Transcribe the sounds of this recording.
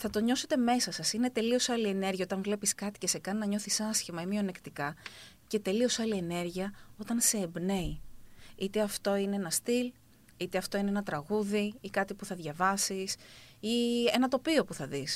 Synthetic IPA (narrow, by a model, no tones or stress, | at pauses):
θɐt̪o̞ɲo̞se̞t̪e̞me̞sɐsɐsine̞t̪e̞lio̞sɐlie̞ne̞ɾʝiɐo̞t̪ɐnvle̞piskɐt̪i̥ce̞se̞kɐninɐɲo̞θisɐsçimɐimione̞kt̪ikɐ | ce̞t̪e̞lio̞sɐlie̞ne̞ɾʝiɐo̞t̪ɐnse̞ːbne̞iit̪e̞ɐft̪o̞ineenɐst̪il | it̪eɐft̪o̞ineenɐt̪ɾɐɣuðiikɐt̪ipuθɐðʝɐvɐsisienɐt̪o̞piopuθɐðis